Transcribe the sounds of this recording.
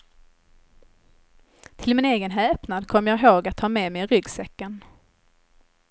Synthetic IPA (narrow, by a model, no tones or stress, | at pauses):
t̪ʰɪlmɪneːɡənɦɛːpnad̪kʰɔmːəjɑɡɦoːɡat̪ʰhɑːmeːmɛjɾʏɡsɛkːən